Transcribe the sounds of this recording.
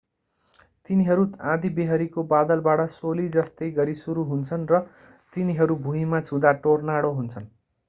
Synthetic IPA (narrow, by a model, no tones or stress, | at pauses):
t̪iniɦʌɾuãd̪ibeɦʌɾikobad̪ʌlbaɽʌsolid͡zʌst̪ʌjɡʌɾisuɾuɦunt͡sʰʌnrʌ | t̪iniɦʌɾubʱuɦimat͡sʰũd̪aʈornaɽoɦunt͡sʰʌn